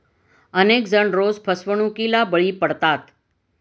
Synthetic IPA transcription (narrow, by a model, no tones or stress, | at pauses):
ənekd͡ʒəɳɾozpʰəsʋəɳ̃ũkilabəɭipəɽt̪at̪